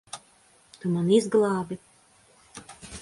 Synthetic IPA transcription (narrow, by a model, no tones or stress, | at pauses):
t̪umanizɡlˠɑːbʲi